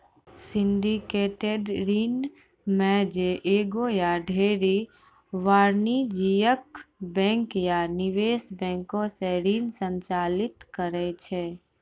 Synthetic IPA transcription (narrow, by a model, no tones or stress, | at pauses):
sɪ̃nɖikeːʈeɖɾiːn | mɛ̃d͡ʒeʔeːɡojaɖʱeːɾi | ʋaːɾnid͡ʒijəkbɛ̃ːŋkjanɪʋeːsbɛ̃ːŋkõseɾiːnsə̃nt͡ʃaːlɪt̪kəɾɛt͡ʃʰɛ